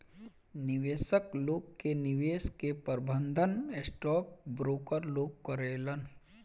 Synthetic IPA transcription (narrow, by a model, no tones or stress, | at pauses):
nɪʋeːsəkloːɡ̚kenɪʋeːskepəɾbə̃nd̪ʱənesʈɔːk̚bɾoːkəɾloːɡ̚kəɾeːlən